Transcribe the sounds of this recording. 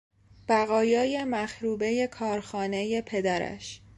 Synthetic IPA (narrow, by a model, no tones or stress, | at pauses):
b̥æɣɒːjɒːje̞mæxɾuːbe̞je̞kʰɒːɾxɒːne̞je̞pʰe̞d̪æɾæ̰ʃ